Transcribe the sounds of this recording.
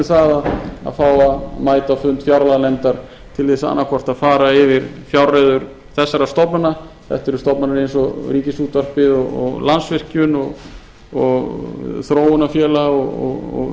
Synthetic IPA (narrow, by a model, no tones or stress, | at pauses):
θaːðaða̰ðfaːwamaːjt̪afʏnt̪fjawɾlaɣnɛmt̪aɾ̥ | t̪ʰɪlθɛsaa̰nːakʰɔr̥t̪aðfaːɾaɪvɪɾfjawreðʏɾ̥ | θɛsːaɾast̪ɔpnana | θɛ̰ht̪ɛɾʏst̪ɔpnanaɾejnsɔriːcɪsuːt̪var̥pɪðɔɣɔ̰ɣlansvɪr̥cʏnɔɣ | ɔɣθɾoːwʏnafjɛːlaɔɣɔ̰ɣɔ̰